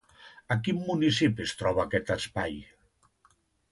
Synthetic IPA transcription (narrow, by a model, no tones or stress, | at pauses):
akimːunisipiest̪ɾɔβ̞akɛt̪aspaj